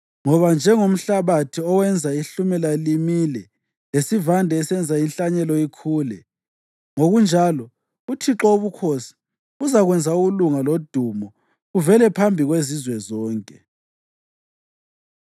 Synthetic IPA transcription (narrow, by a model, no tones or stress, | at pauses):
ŋɔβand͡ʒʱɛŋom̩ɬaβatʰiɔwɛnd͡zʱaiɬumɛlalimilɛ | lesivandʱɛːsɛnd͡zʱainɬaɲɛlɔikʰuːlɛ | ŋoɣund͡ʒʱalɔ | utʰiǁoβukʰosi̥ | uzaɣwɛnd͡zʱauɣuluŋalod̥ʱumɔ | ɣuvɛlɛpʰambʱiɣwezizwɛzɔːŋkʼɛ